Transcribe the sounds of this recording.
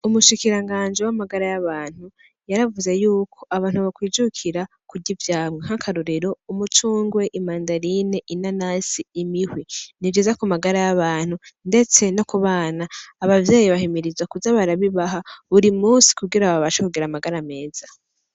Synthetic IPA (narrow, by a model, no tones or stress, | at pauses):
umuʃikiɾaŋɡaːnd͡ʒewamaɡaɾajaβaːn̥hu | jaɾavuze̞juːkʰo̞ʔaβaːn̥huβakwiːd͡ʒukʰiɾa | kuɟivjaːmŋeɦakʰaɾuɾeɾo̞umut͡ʃuːŋɡwe̞ʔimaːndaɾine̞ʔinanaːsiːmihwinivd͡ʒizakumaɡaɾajaβaːn̥unde̞t͡se̞no̞kuβaːnaːβavjeːjiβaɦimiɾizwakuzaβaɾaβiβaɦaβuɾimuːnsi̥kuɡiɾaβaβaʃakuɡiɾamaɡaɾame̞ːz̥a